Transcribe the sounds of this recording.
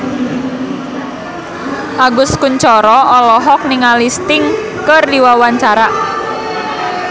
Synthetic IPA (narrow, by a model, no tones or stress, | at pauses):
ʔaɡʊskuɲt͡ʃɔɾɔʔɔlɔɦɔk̚niŋalist̪ɪŋ | kərdiwawaɲt͡ʃaɾa